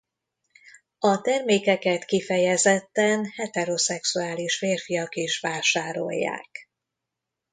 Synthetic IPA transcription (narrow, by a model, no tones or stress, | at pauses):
ɒt̪ɛrmeːkɛkɛt̪kifɛjɛzɛt̪ːɛnhɛt̪ɛɾosɛksuaːliʃfeːrfijɒkiʃʋaːʃaːɾo̞̰jːa̰ːk